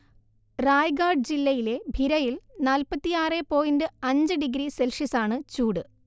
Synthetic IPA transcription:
raːjɡaːrɖɨd͡ʑilːɐjile̞bʱiɾɐjilnaːlpɐt̪ːijaːrepo̞ːjindɨɐɲd͡ʑɨɖiɡɾiselʂisaːɳɨt͡ɕuːɽɨ

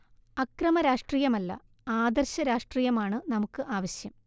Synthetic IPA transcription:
ɐkrɐmɐɾaːʂʈriːjɐmɐlːɐ̰ | aːd̪ɐrɕɐɾaːʂʈriːjɐmaːɳɨnɐmukːɨʔaːʋɐɕjɐm

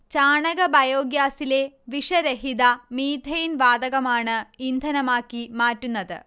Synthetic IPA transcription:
t͡ɕaːɳɐɣɐbɐjoːɡjaːsile̞ʋiʂɐɾɐɦid̪ɐmiːd̪ʱɐjinʋaːd̪ɐɣɐmaːɳɨind̪ʱɐnɐmaːkːimaːtːunːɐðɨ̰

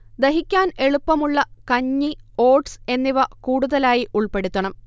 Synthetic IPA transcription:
d̪eɦikʲːaːne̞ɭupːɐmuɭːɐkɐɲːio̞ːʈsenːiʋɐkuːɽuðɐlaːjiʔuɭpe̞ɽut̪ːɐɳɐm

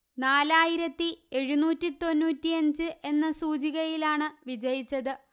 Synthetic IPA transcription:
naːlaːjiɾɐt̪ːie̞ɻunuːtːit̪o̞nːuːtːiɐɲd͡ʑɨʔe̞nːɐsuːd͡ʑiɣɐjilaːɳɨʋid͡ʑɐjit͡ɕːɐðɨ

